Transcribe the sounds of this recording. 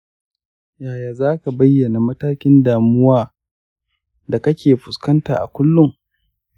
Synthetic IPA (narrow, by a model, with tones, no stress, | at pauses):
jaː˨jaː˨zaː˦ka˨bɐ˦jːɐ˨na˨mɐ˦taː˦kʲɪ˦ndaː˨mʊ˦waː˦ | da˨kɐ˦kʲeː˨ɸʊ˨skɐ˦nta̰ː˨ʔa̰˨kʷʊ˦lːʊ˦ŋ